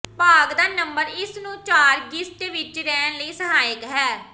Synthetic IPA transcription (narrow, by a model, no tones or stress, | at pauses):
paːɡd̪aːnəmbəɾɪsnũːt͡ʃaːɾɡɪsʈʋɪt͡ʃɾɛːnləiːsəɦaːəkɦɛː